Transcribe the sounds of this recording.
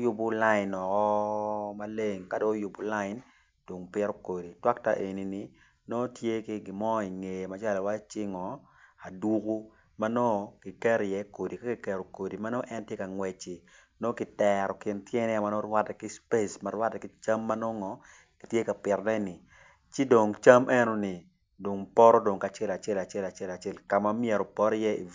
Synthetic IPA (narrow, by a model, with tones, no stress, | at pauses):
jʊ˦bʊ˦la˦ɪ˨nɔ˨kɔ˦ma˦le˦ŋka˦do˦jʊ˨bʊ˨la˦ɪ˨n | d̥o˨ŋpɪ˦ɾo˦ko˨di˨twa˦k̚ta˦ʔe˨ni˨ni˨˦ | no˦tje˦ki˦ɡɪ˨mɔ˦i˨ŋe˨jma˨˦t͡ʃa˦lɔ˨wa˦t͡ʃɪ˦ŋɔ˨ | a˨du˦ku˦ | ma˦no˦kɪ˨kɛ˦ɾjɛ˦ko˨di˨ka˦ki˨kɛ˨ɾo˨ko˨di˨ma˦no˦ʔɛ˦ntje˦ka˨ŋwɛ˨t͡ʃi˨ | no˦kɪ˨tɛɾɔ˨kɪ˨ntjɛ˦nɛ˦a˨ma˦no˦rwa˦tɛ˨ki˦spe˦sma˨ɾwa˦tɛ˨ki˦t͡ʃa˦mːa˦no˦ŋɔ˨ | ki̥˨tje˦ka˨pɪ˨rnɛ˦nɪ˨ | t͡ʃɪ˦do˨ŋt͡ʃa˦mʔɛ˦no˦nɪ˨ | do˨ŋpɔ˦ɾɔ˦do˨ŋka˨t͡ʃɛ˦la˨t͡ʃɛ˦la˨t͡ʃɛ˦la˨t͡ʃɛ˦la˨t͡ʃɛ˦lka˨ma˦mjɛ˨ɾo˨pɔ˦ɾjɛ˦ḭ˨